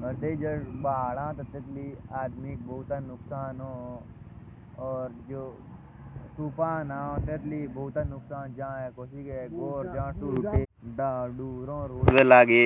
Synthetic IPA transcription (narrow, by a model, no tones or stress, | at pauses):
əɾt̪ed͡ʒɐbaːlãːt̪ɐt̪ːet̪liaːd̪mik̚bɐɦut̪anʊksaːnɦo | ɔːɾd͡ʒoː | suːpaːnãːot̪et̪libɐut̪anʊksaːnd͡ʒaãɦɛkoːsikekoːɾd͡ʒaãsuːʈe | ɖaɖuːɾõɾoːbelaːɡeː